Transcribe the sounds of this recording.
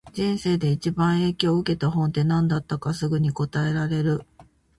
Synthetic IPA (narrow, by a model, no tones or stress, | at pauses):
d͡ʑĩɰ̃se̞ːd̪e̞it͡ɕibãɰ̃e̞ːkʲo̞ːɯ̟ke̞t̪aɦõ̞nt̪e̞nãnd̪at̪ːakasɨɡɯ̟ɲ̟iko̞t̪ae̞ɾaɾe̞ɾɯ̟